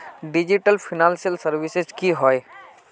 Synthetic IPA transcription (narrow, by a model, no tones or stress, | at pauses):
ɖid͡ʒiʈəlpʰinansijəlsəɾbisezkiɦɔj